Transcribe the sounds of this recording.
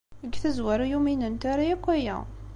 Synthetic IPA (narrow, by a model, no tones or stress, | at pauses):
əɡθəzwæɾujuminənt̪æɾajækʷːæjæ̰